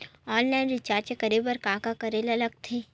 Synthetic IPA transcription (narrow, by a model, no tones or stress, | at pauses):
ɔːnlaːɪnɾɪt͡ʃaːɾt͡ʃekɐɾeːbəɾkãːkakɐɾeːlɐləɡ̚t̪ʰeː